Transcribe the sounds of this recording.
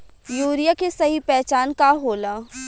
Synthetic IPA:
juːɾijakesɐɦipɛːt͡ʃaːnkaɦoːlaː

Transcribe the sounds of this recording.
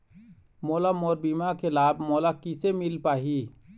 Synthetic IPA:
moːlamoːɾbiːmakʰelaːbmoːlakɪsemɪlpaːɦiː

